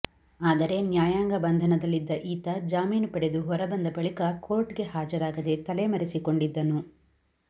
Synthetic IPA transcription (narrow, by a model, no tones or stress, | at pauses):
aːd̪ɐɾe̞njaːjaːŋɡɐbɐnd̪ʱɐnɐd̪ɐlːid̪ːɐʔiːt̪ɐd͡ʒaːmiːnpɐɽe̞d̪uɦɔɾɐbɐnd̪ɐbɐɭikɐko̞ːɾʈɡe̞ɦaːd͡ʒɐɾaːɡɐd̪e̞t̪ɐlemɐɾisiko̞ɳɖid̪ːɐnu